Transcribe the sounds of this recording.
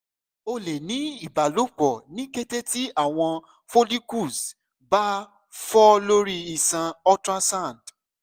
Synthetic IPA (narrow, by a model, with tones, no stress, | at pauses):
o˧le˨nĩ˨˦i˦˨ba˨lo˨˦k͡pɔ˨nĩ˨˦ke˦te˦ti˦a˦˨w̃ɔ̃˧ | fo˦li˦ku˦˨s | ba˦ | fɔ˦lo˦ɾi˦i˦˨sã˧ɔ˦tɾa˦sã˦˨nd